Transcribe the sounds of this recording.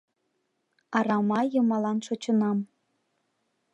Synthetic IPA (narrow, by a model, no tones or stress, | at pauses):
ɑɾɑmɑjɤ̆mɑlɑnʃot͡ɕɤ̆nɑm